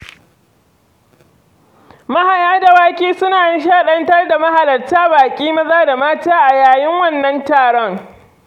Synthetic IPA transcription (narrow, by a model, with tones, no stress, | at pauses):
mɐ˦ha˨jaː˦da˨waː˦kʲiː˦sʊ˦naː˨jɐ˦ʃ̬aː˦˨ɗɐ˦ntɐ˦rda˨ma˦ha˨lɐ˨rtaː˦baː˨kʲʼiː˦mɐ˦zaː˦da˨maː˦taː˦ʔa˨jaː˨jɪ˦ŋwɐ˦˨nːɐ˦ntaː˨ɽɔ˦ŋ